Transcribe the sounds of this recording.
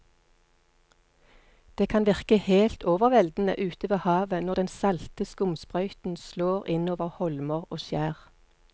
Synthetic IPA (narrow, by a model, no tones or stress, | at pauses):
d̪̥eːkʰɑnʋɪʁkəheːlt̪oːʋəʁʋɛld̪n̩ə̰ʔʉːt̪əʋeːhɑːʋənɔʁd̪ɛnsɑlt̪əskʊmspʁœʏt̪n̩sloːʁɪnoːʋəʁhɔlməʁoːʃjæːʁ